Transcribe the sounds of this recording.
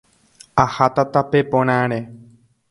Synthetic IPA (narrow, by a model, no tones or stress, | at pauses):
ahat̪at̪apepõɽ̃ãɾ̃e